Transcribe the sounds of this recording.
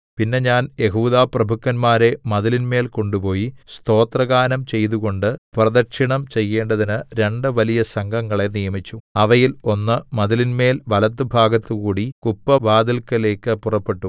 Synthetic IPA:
pinːe̞ɲaːnje̞ɦuːðaːprɐbʱukːɐnmaːɾe̞mɐðɐlinme̞ːlko̞ɳɖupo̞ːjist̪o̞ːt̪rɐɣaːnɐmt͡ɕe̞jt̪uɣo̞ɳɖɨprɐðɐrʂiɳɐmt͡ɕe̞jːe̞ːɳɖɐðinɨɾe̞ɳɖɨʋɐlijɐsɐŋɡʱɐŋːɐɭe̞nijɐmit͡ɕːuɐʋɐjilo̞nːɨmɐðɐlinme̞ːlʋɐlɐt̪̬ːɨbʱaːɡɐt̪ːukuːɽikupːɐʋaːd̪ilkɐle̞ːkːɨpurɐpːe̞ʈːu

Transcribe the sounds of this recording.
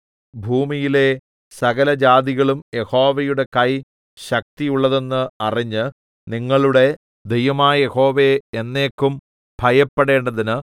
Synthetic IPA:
bʱuːmijile̞ | sɐɣɐlɐd͡ʑaːd̪iɣɐɭumje̞ho̞ːʋɐjuɽe̞kɐj | ɕɐk̚t̪ijuɭːɐðe̞nːɨɐriɲːɨ | niŋːɐɭuɽe̞ | d̪ejʋɐmaːje̞ho̞ːʋe̞enːe̞ːkːum | bʱɐjɐpːeɽe̞ːɳɖɐðinɨ

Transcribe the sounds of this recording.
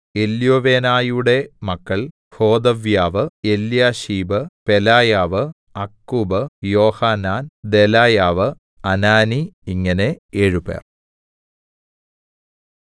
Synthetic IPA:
e̞ljoːʋe̞ːnaːjuɽe̞mɐkːɐɭ | ho̞ːd̪ɐʋjaːʋɨe̞ljaːɕiːbɨpe̞laːjaːʋɨ | ɐkːuːbɨjo̞ːhaːnaːnd̪e̞laːjaːʋɨ | ɐnaːniiŋːɐne̞eːɻupḛːr

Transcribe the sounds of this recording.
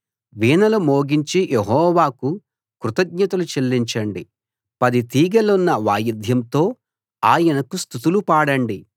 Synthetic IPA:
ʋiːnɐlumoːɡiɲt͡ʃijʔeɦɔːʋaːku | kɾut̪ɐɡɲɐt̪ɐlut͡ʃelːiɲt͡ʃɐɳɖi | pɐd̪it̪iːɡɐlunːɐʋaːjɐd̪ʱjɐmt̪o̞ː | aːjɐnɐkust̪ut̪ulupaːɽɐɳɖi

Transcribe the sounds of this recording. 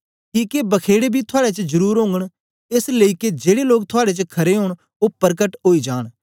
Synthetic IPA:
ʈiːkebɐkʰeːɽebʱit̪ʰʊaːɽet͡ʃd͡ʒɐɾuːɾɦõːŋɡəɽ̃ | esləiked͡ʒeːɽeloːk̚t̪ʰʊaːɽet͡ʃkʰɐɾeɦõːɽ̃ | opɐɾkəʈɦoːid͡ʒaːɽ̃

